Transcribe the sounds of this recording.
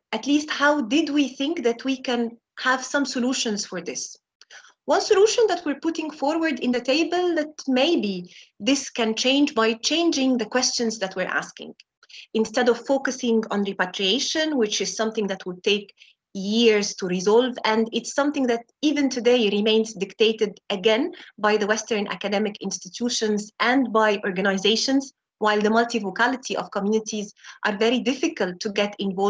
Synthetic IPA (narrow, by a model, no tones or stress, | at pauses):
ʔætlisthaʊdɪdwiθɪ̃ŋkðætʰwikæ̃n | hæv̥sʌ̃msəluːʃɨ̃nz̥fəɹðɪs | wʌ̃nsəluʃə̃nðæt̚ʰwiɹpʊtɪ̃ŋfɔɹwəɹdɪ̃nðɨtʰeɪbəlˠðæt̚meɪbiðɪskɨ̃nt͡ʃẽɪ̃nd͡ʒbaɪt͡ʃʰẽɪ̃nd͡ʒɪ̃ŋðəkw̥ɛst͡ʃɨ̃nzðætwiɹʔæ̰skɪ̰̃ŋ | ɨ̃nstɛdɔv̥foʊkɨsɪ̃ŋə̃nɹipætɹieɪʃə̃nwɪt͡ʃɪz̥sʌ̃mθɪ̃ŋðætʰwɪd̚t̪eɪk | jiɹz̥tuɹɪzɔlˠvæ̃ndɪtsːʌ̃mθɪ̃ŋðæt | iːvɨ̃ntʰɨdeɪɹɪmẽɪ̃nzdɪkt̪eɪtɪdʔɨɡɛ̃nbaɪðəwɛstə˞nʔæ̰kɨdɛmɪkɪ̰̃nstɨtʰuʃə̃nzʔæ̃ndbaɪʔɔɹɡɨnaɪzeɪʃə̃nz | waɪlˠðəmʌltivokʰælɪtʰiʔɔ̰v̥kɔmjunɪtʰizʔɑɹvɛɾɹidɪfɨkəltʰːuɡɛtɪ̃ɱvɔl